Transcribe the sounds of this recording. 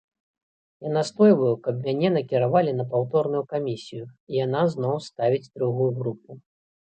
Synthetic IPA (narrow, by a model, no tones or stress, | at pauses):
janast̪ɔjvɐjukɐbmʲanʲɛnɐkʲiɾavalʲin̪ɐpawt̪ɔrnujukamʲisʲijuijan̪azn̪ɔwst̪avʲid͡zʲd̪ɾuɣujuɣɾup̚u